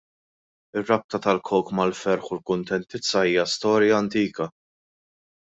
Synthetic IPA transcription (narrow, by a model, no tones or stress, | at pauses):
ɪrːɐp̚t̪ɐt̪ɐlkʰɔwkmɐlfɛɾħʊlkʊnt̪ɛnt̪ɪt͡sːɐiːjɐst̪ɔːɾjɐːnt̪iːkɐ